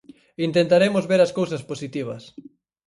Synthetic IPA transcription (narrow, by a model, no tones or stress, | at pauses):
int̪ent̪aɾemʊzβeɾɐskowsɐsposit̪iβ̞ɐs